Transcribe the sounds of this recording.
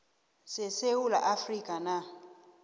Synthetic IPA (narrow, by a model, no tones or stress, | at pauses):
sɛsewula̰ʔafrikʼana